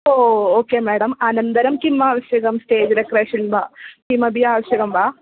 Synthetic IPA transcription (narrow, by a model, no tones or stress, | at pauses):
ooːkeːmɛːɽɐmɐnɐnt̪ɐɾɐmkimːaːʋɐʃjɐɡɐmsʈeːd͡ʒɾɐkɾɐʂinbaːkimːɐbʱijaːʋɐʃjɐɡɐmbaː